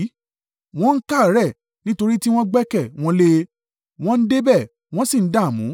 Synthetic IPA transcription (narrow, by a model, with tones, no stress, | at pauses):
w̃ɔ̃˦n̩˦ka˦˨ɾɛ˦˨ | nĩ˦to˧ɾi˦ti˦w̃ɔ̃˦ɡ͡bɛ˦kɛ˦˨w̃ɔ̃˧le˧ | w̃ɔ̃˦n̩˦de˦bɛ˦˨ | w̃ɔ̃˦si˦˨n̩˦da˦˨mũ˨˦